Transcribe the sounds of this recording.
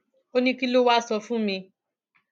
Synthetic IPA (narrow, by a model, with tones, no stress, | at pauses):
o˦nĩ˦ki˦lo˦wa˦sɔ˧fũ˦mĩ˧